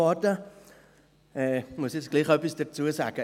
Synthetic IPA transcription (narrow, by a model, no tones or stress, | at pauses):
ɑtə | ɛːmuəsjɛt͡sɡ̥liχœpisd̥ət͡suəsa̰ːɡ̥ə